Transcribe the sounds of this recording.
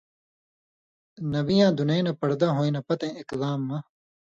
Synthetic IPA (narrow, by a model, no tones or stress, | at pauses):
nɐwijãːd̪unenɐpɐɽd̪aːɦoːĩnɐpɐt̪ẽːɪklaːmːɐ̃